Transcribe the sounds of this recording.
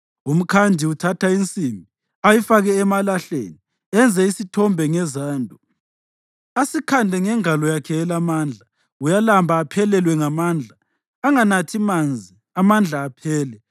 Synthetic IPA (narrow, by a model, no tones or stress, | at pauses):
um̩kʰandʱiutʰatʰaint͡sʼimi | ajifaɣɛːmalaɬḛːni | ɛnd͡zʱɛisitʰɔmbʱɛŋɛzaːndʱɔ | asikʰandʱɛŋɛŋalɔjakʰɛːlamaːnd͡ɮʱa | ujalambʱaːpʰɛlɛlwɛŋamand͡ɮʱaː | ŋanatʰimand͡zʱi | amand͡ɮʱaːpʰɛːlɛ